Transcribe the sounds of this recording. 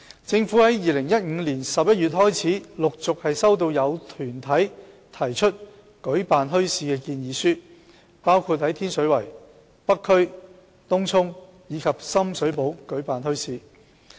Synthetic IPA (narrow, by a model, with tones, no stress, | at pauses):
t͡sɪ˧ŋfuː˨˥hɐ˨˥jjiː˨lɪ˨˩ŋjɐ˥t̚ŋ̩ː˨˧liː˨˩nsɐ˨p̚jɐ˥t̚ɥyː˨t̚hɔː˥jt͡sʰiː˨˥lʊ˨k̚t͡sʊ˨k̚hɐ˨jsɐ˥wt̪̬o˧wjɐ˨˧wt̪ʰyː˨˩nt̪ʰɐ˨˥j | t̪ʰɐ˨˩jt͡ʃʰɵ˥t̚ | kɵ˨˥ɥpaː˨nɦɵ˥ɥsiː˧kɛː˧kiː˧njiː˨˧syː˥ | paː˥wkʰuː˧t̚hɐ˨˥jt̪ʰiː˥nsɵ˨˥ɥwɐ˨˩j | pɐ˥kʰːɵ˥ɥ | t̪ʊ˥ŋt͡sʰʊ˥ŋ | jiː˨˧kʰɐ˨p̚sɐ˥msɵ˨˥ɥpo˨˥wkɵ˨˥ɥpaː˨nɦɵ˥ɥsiː˧